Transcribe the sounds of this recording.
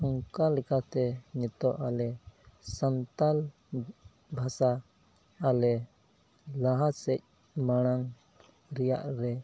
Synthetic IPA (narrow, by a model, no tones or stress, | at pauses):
ɔŋkalɛkat̪ɛɲɛt̪ɔʔalɛsant̪al | bʱasaː | lɛ | laɦasɛc̚ | maɽ̃aŋ | ɾɛja̰ʔɾɛ